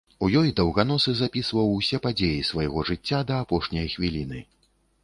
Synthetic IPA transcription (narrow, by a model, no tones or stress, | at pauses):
ujɔjd̪ɐwɣanɔsɨzapʲisvɐwsʲɛpad͡zʲejisvajɣɔʐɨt͡sʲːad̪ɐːpɔʂnʲɐjxvʲilʲin̪ɨ